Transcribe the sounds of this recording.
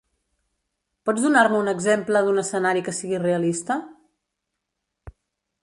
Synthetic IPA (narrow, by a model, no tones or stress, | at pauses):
pɔd͡zðunaɾməunəɡzempləðunəsənaɾikəsiɣireəlist̪ə